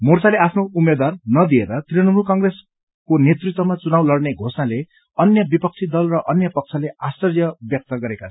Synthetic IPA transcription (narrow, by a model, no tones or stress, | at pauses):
mort͡saleapʰnoumːed̪warnʌd̪ieɾʌt̪riʌnʌmukʌŋɡres | konjet̪rit̪wʌmat͡sunawlʌrneɡʱosnale | ʌnjʌbipʌk̚t͡sʰid̪ʌlrʌʔʌnjʌpʌk̚t͡sʰʌleast͡sʌrjʌbjʌk̚t̪ʌɡʌɾeka